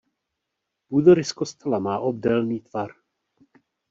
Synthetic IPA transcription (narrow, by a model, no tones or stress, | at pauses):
puːd̪oɾɪskost̪ɛlamaːʔob̚dɛlniːt̪v̥aɾ